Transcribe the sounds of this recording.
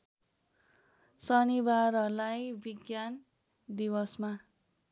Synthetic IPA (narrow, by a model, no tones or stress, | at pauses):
sʌnibaɾʌlajbiɡjan | d̪ibʌsma